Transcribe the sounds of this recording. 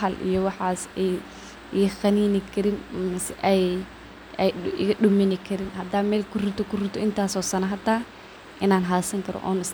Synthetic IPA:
ɐlʔḭjɔwɑħaːsɛj | xɐniːnɪkʰɐɾɪnmɪsɛʔɛj | ɛj̰ɣɐɗʊmɪnɪkʰɐɾɪnɦɐd̪amɛːlkʰʊrʊt̪ʰɔkʰʊrʊt̪ʰɔɪnt̪ʰaːsɔːsɐnɐɦɐd̪aː | ʔɪnaːnɦaːsɐŋkʰɐɾɔ̰ʔɔ̰ːnɪs

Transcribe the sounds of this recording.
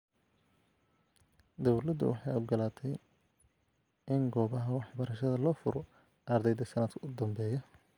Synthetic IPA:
d̪ɔwlɐd̪ʊ̰wʔɑ̰ħɑjɔɡɐlaːt̪ʰɛj | ʔɪŋɡɔːβɐɦɐwɑħbɐɾɐʃɐðɐlɔːfʊɾɔ | ʔɐrd̪ɛjd̪ɐsɐnɐd̪kʰɐʊd̪ɐmbɛːjɐ

